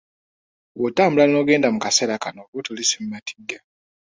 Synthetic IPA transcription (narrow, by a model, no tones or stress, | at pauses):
wotaːmbulano̞ɡe̞ːndamukaseɾakanokotulisemumatʰi̥ɡːa